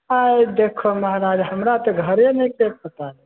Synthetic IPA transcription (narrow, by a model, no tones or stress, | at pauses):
ajd̪ekʰoməɦɾad͡ʒɦəmɾat̪ɔɡʱəɾenekebət̪ale